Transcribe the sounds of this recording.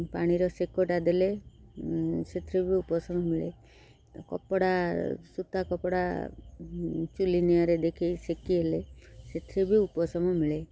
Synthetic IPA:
paɽ̃iɾɔsekɔʈad̪ʱele | set̪ʰɾibʱiupɔsɔmɔmiɭḛ | kɔpɽasut̪akɔpɽa̰ | t͡ʃulinijaɾed̪ekʰisekiɦeleset̪ʰɾibʱiupɔsɔmɔmiɭe

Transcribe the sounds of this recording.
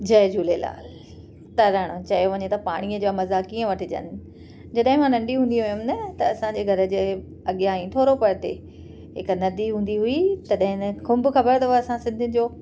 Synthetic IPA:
d͡ʑɐːd͡ʑuːlela̰ːl | t̪ɐɾaːɽ̃õt͡ɕɐjoʋɐɲet̪ɐpaːɽ̃iəd͡ʑaːmɐzaːkiːə̃ʋɐʈʰɪd͡ʑɐ̰nɪ̆ | d͡ʑɐɗɦɪ̃mãnɐ̃ɳɖiɦũːnd̪iɦujʊmnɐt̪ɐɐsãd͡ʑeːɡʱɐɾə̆d͡ʑeː | ɐɠjaɦĩʈʰoːɾopɐɽt̪ḛ | ɦɪk̆nɐd̪iɦũːn̆d̪iɦuit̪ɐɗɦɪ̃nxʊ̃mbʊxɐbəɾt̪ɐɐsãsɪ̃nd̪ʱɪd͡ʑoː

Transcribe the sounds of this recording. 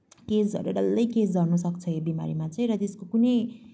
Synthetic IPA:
kesʌ̰ɾuɖʌlːʌjkesɡʌrnusʌkt͡sʰʌjobima̰ɾimat͡sʌĩɾʌt̪eskokunʌj

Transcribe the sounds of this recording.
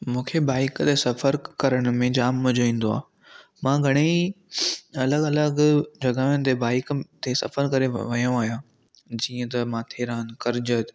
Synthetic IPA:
mũːkʰebaːɪkt̪esɐfəɾkɐɾəɽ̃ʊ̆mẽd͡ʑaːmːɐd͡ʑoʋĩːn̆d̪oa̰ː | mãːɡʱɐɽ̃ei | ɐləɡɐləɡd͡ʑɐɡaːʊnɪ̆t̪ebaːɪkt̪esɐ̰fəɾkɐɾeʋɐjõaːɦijãː | d͡ʑiːə̃t̪ɐmãːt̪ʰeːɾaːənkɐɾɪd͡ʑət̪

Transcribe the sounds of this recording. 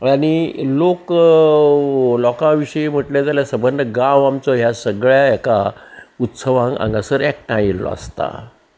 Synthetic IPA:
añilok | lɔkãʋiɕəem̤əʈlad͡zaljasəbənd̪əɡãʋamt͡sɔɦjasəɡɭjaɛkaut̪səʋãŋɡã̰ŋɡasəɾɛk̚ʈajelɔ̰a̰st̪a̰

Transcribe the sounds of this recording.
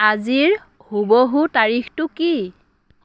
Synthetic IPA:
aziɹ | huboɦutaɹixtʊki

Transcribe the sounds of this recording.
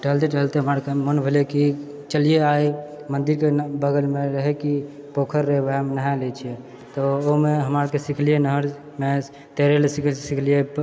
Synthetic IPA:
ʈəɦlt̪eʈəɦlt̪eɦəmaɾkemənbʱeleki | t͡ʃəlijeaj | mənd̪iɾkebəɡəlmeɾəɦɛkipokʰəɾːəɦbemenaɦalet͡ʃʰie | t̪ɔomeɦəmaɾkesikʰlijenəɦəɾ | me | t̪eɾelesiksikʰlije

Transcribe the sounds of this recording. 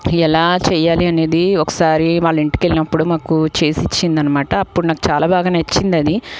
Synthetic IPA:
ɛlaːt͡ʃɛːjaːliɐne̞ːd̪iɔkɐ̥saːɾiʋaːɭːɐiɳʈi̥kelinɐpːuɽumaːkut͡ʃe̞ːsit͡ʃːind̪ɐnːɐmaːʈɐːpːuɽunaːku̥t͡ʃaːlaːbaːɡaːnɐt͡ʃːind̪ɐd̪i

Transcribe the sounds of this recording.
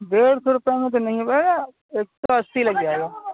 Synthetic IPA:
d̪eːɾt̪ʰoɾʊpjamẽt̪̬onɐɦĩpɐɦeɡa | eːk̚t̪oɐst̪ilɐɡ̚d͡ʒaːɡe

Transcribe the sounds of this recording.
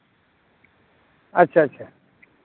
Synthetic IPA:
ətːɕʰaətːɕʰa

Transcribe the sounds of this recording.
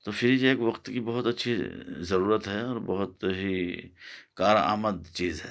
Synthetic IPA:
t̪oːpʰɪɾid͡ʒieːkʋɐqt̪kibɐɦʊt̪ɐtːʃʰizɐɾuːɾət̪ɦɛɔːɾbɐɦʊt̪ɦi | kaːɾa̰ːməd̪t͡ʃiːzɦɛː

